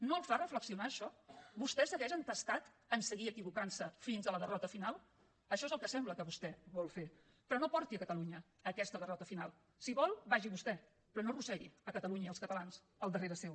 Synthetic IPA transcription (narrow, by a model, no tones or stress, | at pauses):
noəlˠfarəfləksiunaːʃɔβust̪ɛsəɣɛʒənt̪əst̪at̪ | ənsəɣiəkiβukansəfinzðələðərɔt̪əfinalˠ | əʃɔezəlˠkəsɛmbləkəβust̪ɛβɔlˠfe | pɾɔnopɔɾt̪iəkət̪əluɲəː | kɛst̪əðərɔt̪əfinalˠ | siβɔlˠbaʒiβust̪ɛ | pɾɔnorusɛɾḭəkət̪əluɲəiəlˠskət̪əlans | əlˠd̪əreɾəsɛw